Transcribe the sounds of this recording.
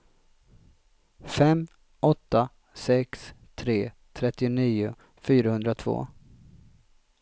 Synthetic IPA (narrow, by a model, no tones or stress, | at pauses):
fɛm | ɔt̪ːa | sɛkst̪ʰɾeː | t̪ʰɾɛt̪ːɪʊniːʊ | fyːɾahɵnd̪ɾat̪ʰv̥o̰ː